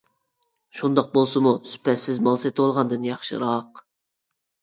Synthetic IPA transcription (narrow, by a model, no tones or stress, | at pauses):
ʃund̪ɑq̚bolˠsɨmusy̥pʰɛt̪sɪzmɑlˠset̪wɑlˠʁɑnd̪ɨnjɑχʃɨ̰ɾɑq